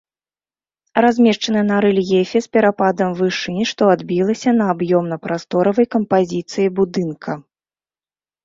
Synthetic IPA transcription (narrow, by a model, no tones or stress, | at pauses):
razʲmʲɛʂt͡ʂɐnɨjɛnaɾɨlʲjefʲɛspʲɛɾapad̪ɐmvɨʂɨnʲiʂt̪ɔad̪bʲilˠɐsʲɐnɐːbjɔmnɐpɾast̪ɔɾɐvɐjkɐmpazʲit̪sɨjibud̪ɨnkʰɐ